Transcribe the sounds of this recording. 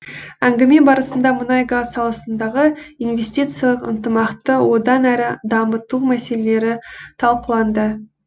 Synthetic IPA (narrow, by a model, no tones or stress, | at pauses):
æŋɡʲɪme̞bɑɾəsənd̪ɑmʊnɑjɡazsɑlˠɑsənd̪ɑʁəinvʲe̞sʲt̪ʲit̪sɨjɑlˠəqə̰nt̪əmɑqt̪əwo̞d̪ɑnæɾɪd̪ɑmət̪umæse̞lele̞ɾɪt̪ʰɑlˠqəlˠɑnd̪ə